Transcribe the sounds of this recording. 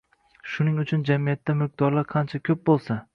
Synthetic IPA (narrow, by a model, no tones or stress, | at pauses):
ʃʊnɪŋʊt͡ʃʰʊnd͡ʒamijat̪ʰːamɪq̚d̪ɒɾlaɾqʰɑnt͡ʃʰakʲʰɵp̚bolˠsa